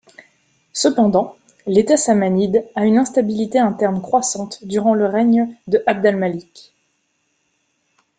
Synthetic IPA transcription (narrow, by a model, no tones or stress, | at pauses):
səpɑ̃d̪ɑ̃ | let̪asamanid̪aynɛ̃st̪abilit̪eɛ̃t̪ɛʁnkχwasɑ̃t̪d̪yʁɑ̃ləʁɛɲd̪əʔab̚d̪almalik